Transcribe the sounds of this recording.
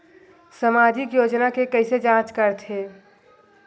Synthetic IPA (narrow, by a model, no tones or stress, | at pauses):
səmaːd͡ʒ̪ʱikjoːd͡ʒnakekəɪsed͡ʒãːt͡ʃkəɾt̪ʰeː